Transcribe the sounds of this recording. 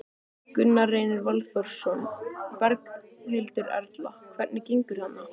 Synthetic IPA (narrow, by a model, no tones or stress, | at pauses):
kʏnːarejnɪɾvalfœr̥sɔnpɛɾkhɪlt̪ʏɾɛ̰ɾt̪la̰kʰvɛt̪nɪciŋkʏɾ̥hanːa